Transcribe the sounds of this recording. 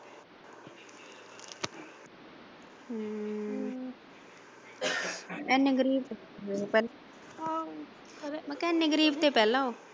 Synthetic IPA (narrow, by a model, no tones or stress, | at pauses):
ɛːnːeɡəɾiːb̚t̪e | pɛːl | məkɛːnːeːɡəɾiːbt̪eːpɛːlãːoː